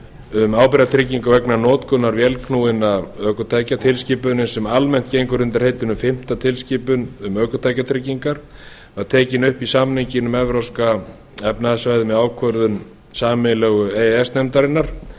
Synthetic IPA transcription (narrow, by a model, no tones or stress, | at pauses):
ʏmaːwpɪɾat̪ʰɾɪciŋkavɛknanɔːt̪kʰʏnːaɾvjɛlkʰnuːɪnaœːkʏt̪ʰaːjcat̪ʰɪlscɪːpʏnɪnsɛmalmɛn̥t̪cejŋkʏɾʏnt̪aɾ̥heːjt̪ʏnʏmfɪm̥t̪at̪ʰɪlscɪːpʏnʏmœːkʏt̪ʰajcat̪ʰɾɪciŋkaɾ̥ | aðt̪ʰɛːcɪnʏhpisamniɲcɪnʏmɛvɾowska | ɛpnaðasvaːjðɪmɛaːwkʰvœɾðʏn | saːmɪlɛɣʏeɛst̪nɛmt̪aɾɪnːaɾ̥